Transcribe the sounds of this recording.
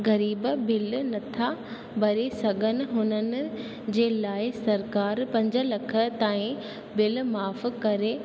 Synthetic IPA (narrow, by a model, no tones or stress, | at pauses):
ɣɐɾiːbbɪlnɐt̪ʰa | bɐɾesɐɡʱənɪ̆ɦʊnənɪ̆ | d͡ʑeːlaːɪsɐɾkaːɾpɐ̃ɲd͡ʑə̆lɐkʰə̆t̪aːĩ | bɪlmaːfkɐɾe